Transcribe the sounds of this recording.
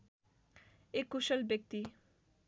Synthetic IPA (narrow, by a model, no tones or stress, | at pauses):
ekuʃəlbek̚t̪i